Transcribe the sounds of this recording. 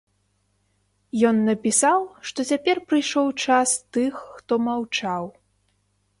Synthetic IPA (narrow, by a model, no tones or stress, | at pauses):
jɔnːɐpʲisawʂt̪ɔt͡sʲapʲɛrpɾɨjʂɔwt͡ʂast̪ɨxːt̪ɔmawt͡ʂaw